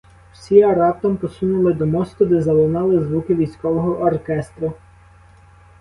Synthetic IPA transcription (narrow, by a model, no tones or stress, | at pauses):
w̥sʲiɐɾɑp̚t̪ɐmpɔsunʊlˠɪd̪ɔmɔst̪ʊd̪ɛzɐlˠɔnɑlˠɪzʋukɪʋʲijsʲkɔʋɔɦɔʔːrkɛst̪ɾʊ